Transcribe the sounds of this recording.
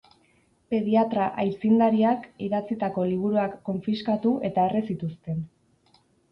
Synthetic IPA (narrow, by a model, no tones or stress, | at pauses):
pe̞ð̞iat̪ɾaʔajt͡sind̪aɾiakiðat͡sit̪ako̞liβ̞uɾuakːo̞ɱfiskat̪uʔe̞t̪ae̞resit̪ust̪e̞n